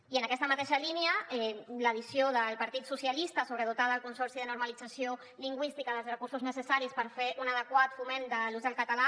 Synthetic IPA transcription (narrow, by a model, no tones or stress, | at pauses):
iənəkɛst̪əmət̪eʃəliniəɛləð̞isioðəlˠpəɾt̪it̪susjəlist̪əsoβɾəðut̪aðəlkunsɔɾsiðənuɾməlid͡zəsio | liŋɡwist̪ikəðəlˠzrəkuɾsuznəsəsaɾispəɾfeʔunəðəkwat̪fumend̪əluzəlˠkət̪əla